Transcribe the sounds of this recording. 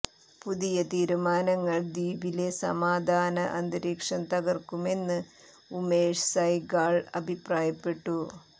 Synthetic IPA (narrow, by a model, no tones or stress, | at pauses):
puðijɐt̪iːɾumaːnɐŋːɐɭd̪iːbile̞sɐ̰maːd̪ʱaːnɐʔɐnd̪ɐɾiːkʂɐnt̪ɐɡɐrkume̞nːɨ | umeːʂsɐjɡaːɭɐbʱipraːjɐpːe̞ʈːu